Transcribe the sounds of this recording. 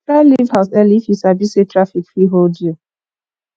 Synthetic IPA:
kalivhaʊsɛlifisabisetɾafikfɾiɦold͡ʒio

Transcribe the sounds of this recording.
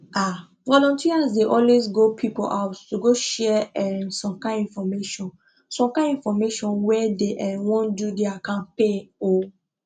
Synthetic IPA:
ʔa | vɔlɔ̃ntʰiazdeʔɔlwesɡopʰipo̰ʔaʊttuɡoʃɛɛnsɔ̃mkãɪ̃nĩnfɔmeʃɔ̃n | sɔ̃mkãĩnfɔmeʃɔ̃nwɛdeʔɛ̃nwɔ̃ndudeakãnpeo

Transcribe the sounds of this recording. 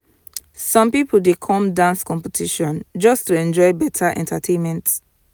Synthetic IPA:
sɔ̃mpipl̩dekʰɔ̃mdãnskɔ̃mpɛtʰiʃɔ̃nd͡ʒɔstuɛ̃nd͡ʒɔɪbɛtʰaʔɛ̰̃ntʰatʰẽnmɛ̃nt

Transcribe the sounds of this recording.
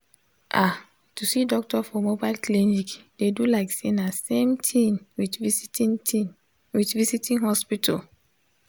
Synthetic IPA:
ʔa | tusidɔk̚tɔfɔmobaɪlklinikdedulaɪksenasemtʰĩnwit | witvisitĩnhɔspitʰa̰l

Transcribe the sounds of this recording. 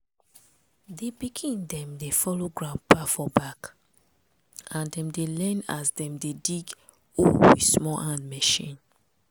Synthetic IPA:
debiɡʰĩndɛ̃mdefɔloɡɹãpafɔbak | ãndɛ̃mdelɛ̃na̰sdɛ̃mdediɡ | owḭ̥smɔʔãnmɛʃḭ̃n

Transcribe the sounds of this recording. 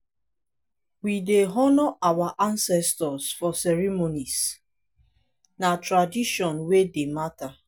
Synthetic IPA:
wideɦɔnɔʔawaʔansɛstɔsfɔsɛɹimonis | natɾadiʃɔ̃nwedemata

